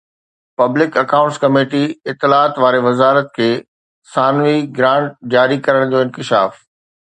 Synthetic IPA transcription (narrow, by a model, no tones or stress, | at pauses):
pɐblɪkɐkãːʊ̃ɳʈskɐmeːʈiɪt̪ːɪlaːt̪ʋaːɾeʋɐzaːɾət̪kʰeː | saːnʋiɡɾãːɳʈ̚d͡ʑaːɾikɐɾəɽ̃nd͡ʑ̪oɪ̃nkɪʃa̰ːf